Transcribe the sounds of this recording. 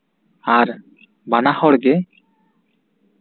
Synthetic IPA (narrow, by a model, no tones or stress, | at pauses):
aɾ | banahɔɽɡɛ